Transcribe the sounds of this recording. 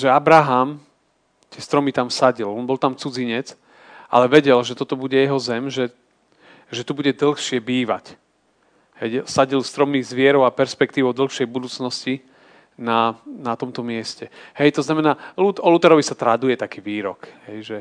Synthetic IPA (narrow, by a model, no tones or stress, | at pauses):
ʒɛabɾaɦam | t̪ɪɛst̪ɾɔmit̪amsaɟilɔnbɔlˠt̪amt͡sud͡ziɲɛt͡s | ʔa̰lɛʋɛɟɛlʒɛt̪ɔt̪ɔbuɟɛjɛɦɔzɛmʒɛ | ʒɛt̪ubuɟɛd̪l̩xʃɪɛbiːʋa̰c | hɛjsaɟilst̪ɾɔmniːɣzʋɪɛɾɔʊapɛɾspɛk̚t̪iːʋɔʊd̪l̩ˠxʃɪɛjbud̪uːt͡snɔsci | nanat̪ɔmt̪ɔmɪɛscɛhɛjt̪ɔznamɛnaːlut̪ɔlut̪ɛɾɔʋisat̪ɾad̪ujɛt̪akiːʋiːɾɔ̰kɦɛjʒɛ